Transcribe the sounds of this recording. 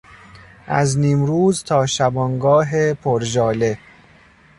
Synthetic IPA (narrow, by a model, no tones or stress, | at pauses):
ʔæzniːmɾuːzt̪ʰɒːʃæbɒnɡɒːɦepʰoɾʒɒːle